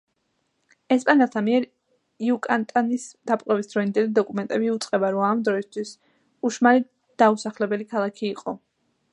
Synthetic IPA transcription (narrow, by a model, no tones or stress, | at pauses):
ɛspʼanɛlˠt̪ʰamiɛɾ | iukʼant̪ʼanisd̪̥apʼqʼwɛvisd̪ɾɔind̪ɛlid̪ɔkʼumɛnt̪ʼɛbiut̪sʼqʼɛbaɾɔamd̪ɾɔist̪ʰwis | uʃmali | d̪̥ausaχlɛbɛlikʰalˠakʰiːqʼɔ